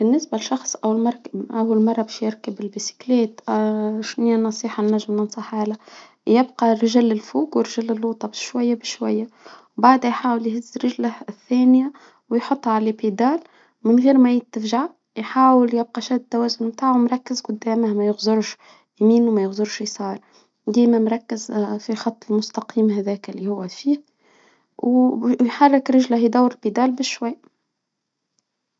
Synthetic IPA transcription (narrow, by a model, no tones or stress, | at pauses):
bɪnːɪsbælʃɑxsˤʔæwːlmɑɾˤkʔæwːælmɑrˤːɑbɛːʃjɪɾkəbɪlbisi̥kleːt̪ʃnɪjːanːɑsˤiːħɑnːæʒːɪmnɑnsˤɑħaːla | jɪbqɑɾɪʒɪlːɪlfuːkwɪɾʒælːɪlːuːt̪ˤɑbʃwæjːabɪʃwæ̰jːawbaʕd̪æjħaːwəljhɪzːɾɪʒləhθːæːnja | wjħʊt̪ˤːʕalebid̪ɑːl | mɪnɣiːɾmæjɪt̪ːəfʒaʕ | jħaːwəljɪb̚qɑʃæːd̪t̪ːæwæːzʊnmt̪aːʕwmɾˤɑkːɪzqʊd̪ːæːməhmæjʊɣzʊɾʃ | jmiːnwmæjɪɣzʊɾʃjsˤɑːɾˤ | d̪iːmæmɾˤɑkːɪzfixɑt̪ˤːɪlmʊst̪ɑqʰiːmhæðæːkɪlːihʊwːæfiːh | wjħarˤːɪkɾɪʒlæhjd̪æwːɾɪlbid̪ɑːlbɪʃːwajː